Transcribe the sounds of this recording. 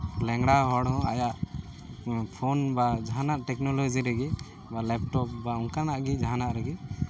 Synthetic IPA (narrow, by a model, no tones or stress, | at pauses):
lɛŋɽaɦɔɽɔ̃a̰jaʔ | pʰonbad͡ʒaɦanaʔʈɛknɔlɔd͡ʒiɾɛɡi | balɛp̚ʈɔp̚bauŋkanaʔɡid͡ʒaɦanaʔɾɛɡi